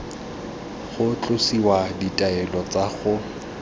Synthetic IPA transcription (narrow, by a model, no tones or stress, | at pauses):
χʊt͡ɬʼʊsiwaditʼaɛlɔt͡saχʊ